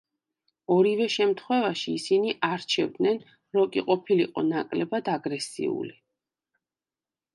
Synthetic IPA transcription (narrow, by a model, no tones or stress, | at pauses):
ɔɾivɛʃɛmt̪ʰχwɛvaʃiːsiniʔaɾt͡ʃʰɛvd̪nɛn | ɾɔkʼiqʼɔpʰiliqʼɔnakʼlɛbad̪aɡɾɛsḭṵli